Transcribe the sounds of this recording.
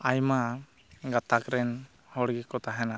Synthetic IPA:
ajma | ɡat̪akɾɛn | hɔɽɡɛkɔt̪aɦɛna

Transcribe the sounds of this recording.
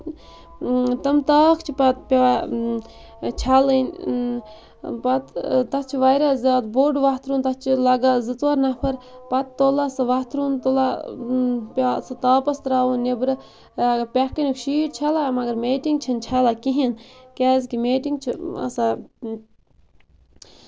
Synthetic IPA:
t̪ɐmt̪aːkʰt͡ʃʰipɐt̪̚pʲaa | t͡ʃʰalɨnʲ | pɐt̪t̪ɐtt͡ʃʰiʋaɾazʲaːd̪boɖʋat̪ʰɾuːnt̪ɐt͡ʃʰilɐɡazɨt̪ʋaɾnɐpʰɐɾpɐt̪ːolasɨʋɐt̪ɾunt̪ola | pʲasɨt̪aːpɐst̪ɾaːʋunnebɾɨ | aɡpʲɛkːnʲikʃiːʈt͡ʃʰalamɐɡɐɾmeːʈiŋɡ̚t͡ʃʰɐnt͡ʃʰalakiɦinkʲaːzkimeːʈiŋɡt͡ʃʰiɐ̰sa

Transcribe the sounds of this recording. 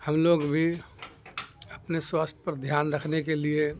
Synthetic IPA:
həmloɡbʱi | əpneswast̪ʰjəpəɾd̪ʱjaːnɾəkʰnekelie

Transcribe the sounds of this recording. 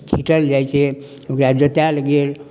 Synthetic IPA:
t͡ʃʰiʈəld͡ʒajt͡ʃʰe | okɾad͡ʒət̪aləɡel

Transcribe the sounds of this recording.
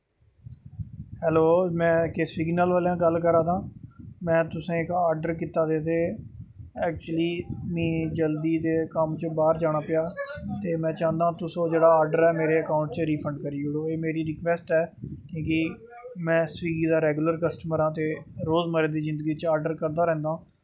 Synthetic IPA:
hɛːloːmɛ̃ːkesɪɡnəlʋaːljãːɡəlkəɾãːd̪ãːmɛ̃ːt̪ʊsẽːɪkaːɾɖəɾkiːt̪aːd̪eːt̪eː | ɛːk̚t͡ʃuəliːmĩːd͡ʒəld̪iːd̪eːkəmt͡ʃbaːɾd͡ʒaːɽ̃aːpɪjaːt̪eːmɛ̃ːt͡ʃãːnd̪ãːt̪ʊsõːd͡ʒeːɽaːaːɾɖəɾɛːmeːɾeːəkaːʊ̃ɳʈt͡ʃəɾiːpʰəɳɖkəɾiːoːɽoːeːmeːɾiːɾɪkʋɛːsʈɛːkjõːki | mɛ̃ːsʋiːɡiːd̪aːɾɛːɡləɾkəsʈəməɾãːt̪eːɾoːzməɾeːd̪iːzɪ̃nd̪əɡiːt͡ʃaːɾɖəɾkəɾd̪aːɾɛ̃ːnd̪ãː

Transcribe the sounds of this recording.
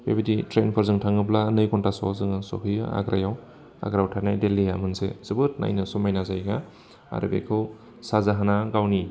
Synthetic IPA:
pebiditɾenpʰaɾzɯŋtʰaŋɯplanɯjkɔntasɔzɯŋɯsɔ̰ɦɯjɯ̰a̰ɡɾa̰jaw | a̰ɡɾawtʰanajdelijamɯnsḛz̥ɯbɯt̚na̰jnɯsɔmajnazajɡa | a̰ɾɯ̰bḛkʰɯw | sazaɦanaɡawni

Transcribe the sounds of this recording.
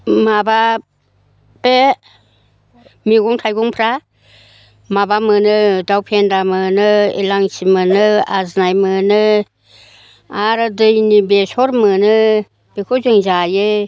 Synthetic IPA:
maba | b̥e | miɡuŋtʰajɡuŋpʰɾa | mabamɯnɯdawpʰendamɯnɯḛlaŋsimɯnɯa̰znajmɯnɯ | aɾɯdɯjnibesɔɾmɯnɯ | b̥ekʰozɯŋzajɯ

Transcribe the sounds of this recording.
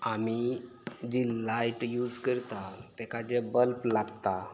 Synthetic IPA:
ami | d͡ʑilːajʈjuːd͡zkəɾt̪at̪ekad͡ʑebəlplaɡt̪a

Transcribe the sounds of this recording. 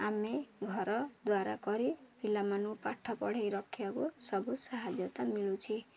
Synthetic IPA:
ameɡʱɔɾɔd̪waɾa̰kɔɾibʱilamanupaʈʰːɔpɔɽ̤ejɾɔkʰːjakusɔbusaɦad͡ʒjɔt̪amilut͡ʃʰi

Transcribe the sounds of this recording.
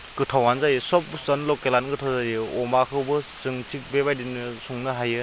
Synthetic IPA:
kɯtʰawanzajɯsɔp̚sɐnlɔkelanɡɯtʰawzajɯɔmakʰɯwbɯzɯŋtʰik̚beβajdinɯsuŋnɯɦajɯ

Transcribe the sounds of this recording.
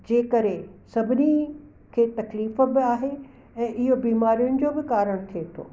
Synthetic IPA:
d͡ʑeːkɐɾesɐbʱɪni | kʰeːt̪ɐkliːf̆bɪaːɦe | ɛ̃ːʔɪɦobiːmaːɾijʊnɪ̆d͡ʑoːbɪkaːɾəɽ̃t̪ʰiet̪ʰo̰ː

